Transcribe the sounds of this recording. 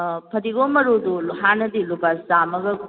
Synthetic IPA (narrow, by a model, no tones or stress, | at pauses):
pʰɐɾiɡomɐɾudulɦanɐdilubasamɐɡɐ